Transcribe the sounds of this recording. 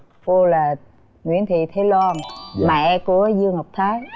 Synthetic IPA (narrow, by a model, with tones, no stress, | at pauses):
vo˧laː˨˩ | ŋwḭ˧˥ənt̪ʰi˧˨t̪ʰe˨˦lwaː˧nmaː˨˩ʔɛ˧ku˧˥ə˦zɨ˧əŋa˨˩wk͡p̚t̪ʰaː˨˦j